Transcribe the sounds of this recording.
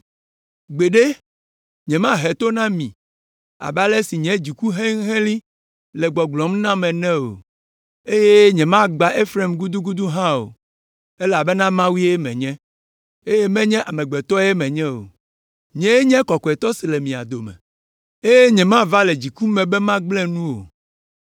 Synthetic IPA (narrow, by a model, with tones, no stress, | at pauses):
ɡ͡be˨ɖe˦ | ɲɛ̃˨mã˦ɦɛ˨t̪o˦nã˦mḭ̃˨ | a̰˨ba˨lɛ˦si˨ɲɛ̃˨˦d͡ʑi˨ku˦ɦɛ̃˦ŋ˦ɦɛ̃˦li˦ | lɛ˨ɡ͡bɔ˨ɡ͡blɔ˨mnã˦mɛ̃˨nɛ̃˦wo̰˨ | e˦je˦ɲɛ̃˨mã˦ɡ͡ba˨ʔe˦fɾe˦˨mɡu˦d̪u˦ɡu˦d̪u˦ɦã˦o̰˨ | e˦la˨bɛ˦nã˦mã˦wi˦e˦mɛ̰̃˨ɲɛ̃˦ | e˦je˦mɛ̃˦ɲɛ̃˦ʔa˨mɛ̃˨ɡ͡bɛ˨t̪ɔ˦ɛ˦mɛ̃˨ɲɛ̃˦wo̰˨ | ɲɛ̃˨˦e˦ɲɛ̃˦kɔ˨kɔ˨e˨t̪ɔ˦si˨lɛ˨mĩ˨a̰˨d̪o˨mɛ̰̃˨ | e˦je˦ɲɛ̃˨mã˦va˦le˨d͡ʑi˨ku˦mɛ̃˨be˦mã˦ɡ͡blɛ̃˦nũ˦wo̰˨